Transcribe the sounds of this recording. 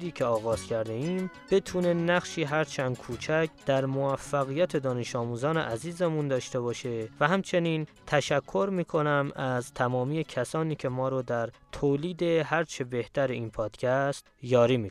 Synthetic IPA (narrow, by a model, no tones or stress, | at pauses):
d̪iːcʰeɒːɣɒːz̥cʰæɾd̪eiːm | b̥e̞t̪ʰuːne̞næɣʃiːɦæɾt͡ʃʰænd̪kʰuːt͡ʃʰæcʰd̪̥æɾmoæfːæɣijæt̪ʰe̞d̪ɒːne̞ʃɒːmuːzɒːneʔæziːzemund̪ɒːʃt̪e̞βɒːʃe̞væɦæmt͡ʃʰe̞niːnt̪ʰæʃækʰːo̞ɾmiːkʰo̞næmæzt̪ʰæmɒːmiːjecʰæsɒːniːcʰe̞mɒːɾod̪æɾt̪ʰoːliːd̪e̞hæɾt͡ʃʰe̞be̞ht̪æɾeiːnpʰɒːd̪̥cʲʰæst̪jɒːɾiːmi